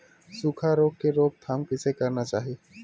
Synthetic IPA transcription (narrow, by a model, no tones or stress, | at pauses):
sukʰaɾoɡ̚keɾoɡ̚t̪ʰampisʰekəɾnat͡ɕaɦi